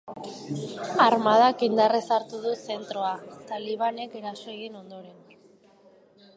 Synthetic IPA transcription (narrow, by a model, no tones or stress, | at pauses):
aɾmað̞akind̪aresaɾt̪uðuse̞nt̪ɾoat̪aliβane̞ke̞ɾasoeɣino̞nd̪o̞ɾe̞n